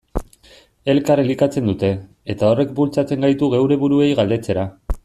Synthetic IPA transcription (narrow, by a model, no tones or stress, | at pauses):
e̞lkarelikat͡se̞nd̪ut̪e̞ː | t̪ao̞re̞k̚bult͡sat͡se̞ŋɡajt̪uɣe̞wɾe̞βuɾue̞jɣald̪e̞t͡se̞ɾa